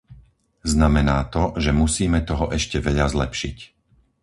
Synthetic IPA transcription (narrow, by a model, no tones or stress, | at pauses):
znamɛnaːt̪ɔʒɛmusiːmɛt̪ɔɦɔʔɛʃcɛʋɛʎazlɛpʃic